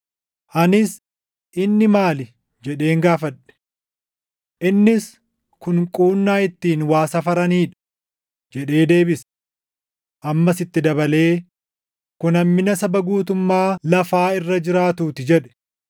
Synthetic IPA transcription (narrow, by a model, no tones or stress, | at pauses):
ʔɐnɪs | ʔɪnːɪmaːlɪ | d͡ʒɛᶑe̞ːŋɡaːfɐᶑɛ̥ | ʔɪnːɪs | kʊŋkʼuːnːaːɪt̪ːiːnwaːsɐfɐɾɐniːᶑɐ̥ | d͡ʒɛᶑe̞ːd̪e̞ːbɪs | ʔɐmːɐsɪt̪ːɪd̪ɐbɐle̞ː | kʊnɐmːɪnɐsɐbɐɡuːt̪ʊmːaːlɐfaːɪrːɐd͡ʒɪɾaːt̪uːt̪ɪd͡ʒɛᶑɛ̥